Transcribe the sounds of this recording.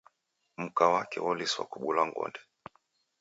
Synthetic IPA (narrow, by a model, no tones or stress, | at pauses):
m̩kawakɛwɔliswa̰kuɓulaŋɡɔ̰ndɛ